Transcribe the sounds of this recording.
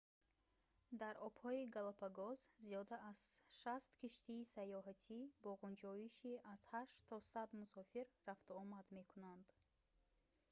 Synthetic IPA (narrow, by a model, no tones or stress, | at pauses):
d̪aɾɔbhɔiɡalapʰaɡɔzzijɔd̪aʔːz̥ʃast̪kʰiʃt̪ʰiːsajɔɦat̪ʰibɔʁund͡ʒɔiʃiʔaz̥haʃt̪ʰɔsad̪musɔfiɾːaft̪uɔmad̪me̞kʰunand̪